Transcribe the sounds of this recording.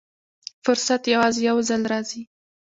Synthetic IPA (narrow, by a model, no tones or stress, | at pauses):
fʊɾsat̪jawɑzejawzalɾɑzi